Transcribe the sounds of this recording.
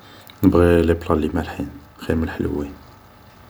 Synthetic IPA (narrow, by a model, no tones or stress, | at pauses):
nəbʁiliblˤɑlimælħin | xiɾməlħəl̰win